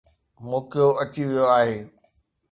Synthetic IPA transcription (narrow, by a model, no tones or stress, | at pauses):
moːkijoɐt͡ɕiʋijoaːɦeː